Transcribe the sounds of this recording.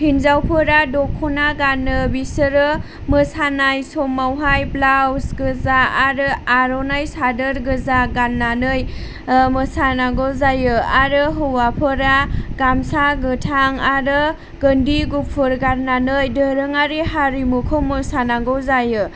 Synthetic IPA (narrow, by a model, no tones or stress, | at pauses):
hinzawpʰɯɾadɔkʰːɔnaɡanɯbisɯɾɯ | mɯsanajsɔmːawɦajblawsɡɯzaaɾɯaɾɔnajsadɯɾɡɯzaɡanːanɯj | mɯsanaɡɔwzajɯaɾɯɦɯwapʰɯɾaɡamsaɡɯtʰaŋaɾɯ | ɡəndiɡupʰɯɾɡaɾnanɯjdɯɾɯŋaɾiɦaɾimukʰɔmːɯsanaɡɔwzajɯ